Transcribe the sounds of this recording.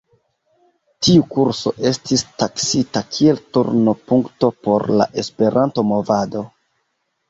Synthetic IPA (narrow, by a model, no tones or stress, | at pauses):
tiukuɾso̞̰ʔe̞stistaksitakʰie̞ltṵɾnopuŋkto̞po̞ɾla̰ʔe̞spe̞ɾʔanto̞mo̞vado̞